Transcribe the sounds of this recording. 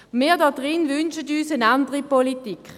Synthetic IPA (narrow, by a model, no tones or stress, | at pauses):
miːɐdɑdʁɪnʋʏnʃətyːsənandəʁipolitikχ